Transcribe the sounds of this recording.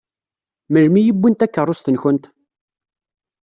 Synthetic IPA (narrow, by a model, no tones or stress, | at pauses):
məlmijəbʷːint̪ækːərˤːʊst̪ənçənt̪